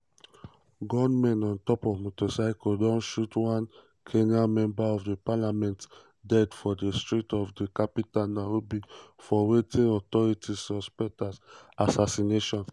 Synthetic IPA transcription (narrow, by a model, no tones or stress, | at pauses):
ɡɔnmɛ̃nɔ̃ntɔpɔvmotɔsaɪkɔdɔ̃nʃutwãn | kʰenamɛ̃mbaɔfdepalamɛ̃nt | dɛdfɔdestɹitɔfdekapitalnaɹobifɔwetʰeɔtɔɹitʰisɔspɛk̚tasasasineʃɔ̃n